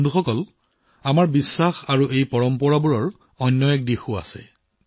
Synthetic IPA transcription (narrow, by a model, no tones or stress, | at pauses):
nduxɔkɔl | amaɹbisːaxaɹuʔejpɔɹɔmpɔɹabuɹɔɹ | ɔnːɔjɛk̚dixua̰sɛ̰